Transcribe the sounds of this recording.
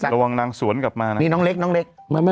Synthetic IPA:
a˨˩ɾa˧wa˧ŋnaː˧ŋsu˨˩˦ənka˨˩p̚maː˧n˦niː˦˥nɔː˦˥ŋle˦˥k̚nɔː˦˥ŋle˦˥k̚ma˧ma˦

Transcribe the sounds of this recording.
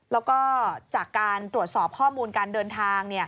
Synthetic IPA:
lɛː˦˥wkɔː˥˩t͡ɕaː˨˩kːaː˧nt̪ɾu˨˩ət̪̚sɔː˨˩p̚kʰɔː˥˩muː˧nkaː˧ndɤː˧nt̪ʰaː˧ŋni˥˩ɐ

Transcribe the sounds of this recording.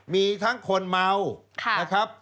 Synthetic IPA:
miː˧t̪ʰa˦˥ŋkʰo˧nma˧wkʰna˦kʰɾa˦˥p̚

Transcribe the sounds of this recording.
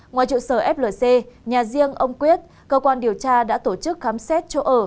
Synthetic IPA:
ŋwaː˨˩jt͡ɕṵ˧˨səː˧˩ʔɛ˦˥p̚ləː˨˩se˧ɲaː˨˩zi˧əŋʔə˧wŋ͡mkwi˦˥ət̚ | kəː˧kwaː˧nɗi˨˩əwt͡ɕaː˧ɗa̰ː˧˥t̪o˧˩t͡ɕɨ˦˥k̚xaː˨˦msɛ˦˥t̚t͡ɕo˧ʔəː˧˩

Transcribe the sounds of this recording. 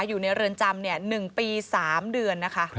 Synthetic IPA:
juː˨˩na˧jɾɯ˧ənt͡ɕa˧mni˥˩ənɯ˨˩ŋpiː˧saː˩˦mdɯ˧ənːa˦˥kʰa˦˥

